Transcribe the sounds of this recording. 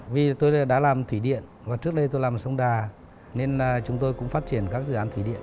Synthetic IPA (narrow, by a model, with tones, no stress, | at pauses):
vi˨˩t̪o˧jɗa̰ː˧˥laː˨˩mt̪ʰwi˧˩ɗḭ˧˨ən | vaː˨˩t͡ɕɨ˦˥k̚ɗə˧jt̪o˧jlaː˨˩msə˧wŋ͡mɗaː˨˩ | ne˧n˩t͡ɕʊ˨˦ŋ͡mt̪o˧jkʊ̰˧˥ŋ͡mfaː˦˥t̚t͡ɕi˧˩ənkaː˦˥k̚zɨ̰˧˨aː˨˦nt̪ʰi˧˩ɗḭ˧˨ən